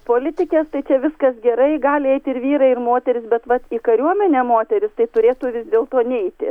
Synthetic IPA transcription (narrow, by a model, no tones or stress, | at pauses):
poːlʲɪt̪ʲɪkʲɛːst̪ɐɪt͡ʃʲɛʋʲɪskɐsɡʲɛɾɐɪɡɑːlʲɪɛɪt̪ʲɪɾʋʲiːɾɐɪrmoːt̪ʲɛɾʲɪsbʲɛt̪ʋɐt̪iːkɐɾʲuɔmʲɛnʲɛːmoːt̪ʲɛɾʲɪst̪ɐɪt̪ʊɾʲeːt̪ʊːʋʲɪzd̪ʲeːlˠt̪oːnʲɛɪt̪ʲɪ̰